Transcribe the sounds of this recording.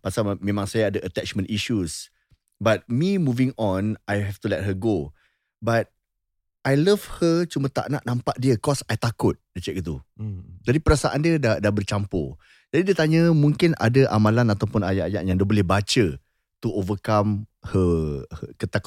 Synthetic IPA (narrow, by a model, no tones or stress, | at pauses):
pasamẽmãŋsajaːdaʔət̪ɛt͡ʃmə̃ntiʃus | bat̪̚mimuvɪ̃ŋɔnajɦɛft̪ulɛt̚ɦəɡo | bat̪̚ | ʔajləvhət͡ʃumət̪a̰ʔnaʔnampaʔdiəkɔsajt̪akʊt̪̚diət͡ʃɛk̚it̪ud͡ʒadipəɾasaʔandiədadabərt͡ʃampo̰ | d͡ʒadidiət̪aɲəmũŋkɪnʔa̰dəʔamãlanat̪awpʊnaja̰ʔjaʔjaŋdiəbolɛhbat͡ʃə | t̪uʔovəkamhəhəkət̪ak